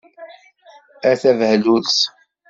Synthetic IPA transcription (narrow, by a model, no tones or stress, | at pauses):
æθævhlus